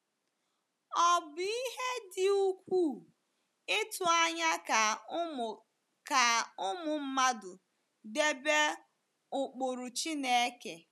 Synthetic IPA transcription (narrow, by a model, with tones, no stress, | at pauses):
ɔ˨bʊ˨i˦ɦe˦dɪ˨u˦kʷu˦˨ | ɪ˦tʊ˨a˦ɲa˦˨ | ka˨ʊ˦mʊ˨m̩˦ma˦dʊ˨ | de˦be˦ | ʊ˨k͡po˨ɾʊ˨t͡ʃi˦ne˨e˦ke˨